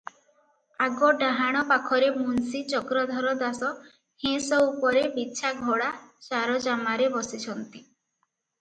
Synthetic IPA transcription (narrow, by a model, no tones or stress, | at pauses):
aɡɔɖaɦaɽ̃ɔpakʰɔɾemunsit͡ʃɔkɾɔd̪ʱɔɾɔd̪asɔ | hẽsɔupɔɾebiːʃʰaɡʱoɽat͡ʃaɾɔd͡ʒamaɾebɔsit͡ʃʰɔnt̪i